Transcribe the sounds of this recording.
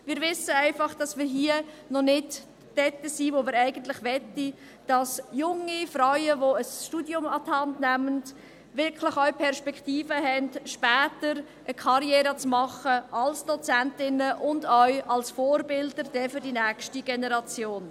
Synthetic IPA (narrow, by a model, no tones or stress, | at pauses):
mɪːɾʋɪsːəæɪfɑχd̥ɑsmɪːɾɦiːə | nɔnɪd̥ː | ɛtəsiːvomɪːɾæɪɡ̥ən̩tlɪχʋɛtːi | d̥ɑsjʊŋifɾœɥəʋoəsʃtudjʊmɑthɑndnæmənd | ʋɪɾkʰlɪχœʏpʰɛɾʃpɛktiːfəɦɛnd̥ʃpɛːtəɾ | ʔəkʰɑɾjɛːɾət͡smɑχəɑlsd̥ɔt͡sæntɪnəʔʊndœʏɑlsfoːɾbɪldəɾd̥ɛfʏɾdinæːkʃtiɡ̥ɛnəɾɑt͡sjoːn